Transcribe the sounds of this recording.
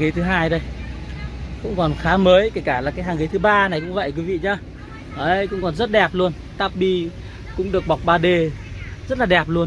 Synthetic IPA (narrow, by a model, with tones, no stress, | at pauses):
ɣi˨˦t̪ʰɨ˨˦ɦaː˧jɗə˧j | kʊ̰˧˥ŋ͡mkɔ˨˩nxaː˨˦məː˨˦jke˧˩kaː˧˩laː˨˩kaː˨˦jɦaː˨˩ŋɣi˨˦jt̪ɨ˨˦ɓaː˧na˨˩jkʊ̰˧˥ŋ͡mvə̰˧˨jkwi˨˦vḭ˧˨ɲaː˧˦ | ʔəː˧˩jkʊ̰˧˥ŋ͡mkɔ˨˩nzə˦˥t̚ɗɛ˨˩p̚lu˧ən | t̪aː˦˥p̚ɓi˧˩ | kʊ̰˧˥ŋ͡mɗɨ˨˩ək̚ɓa˨˩wk͡p̚ɓaː˨˩ɗe˨˩ | zə˦˥t̚laː˨˩ɗɛ˨˩p̚lu˧ən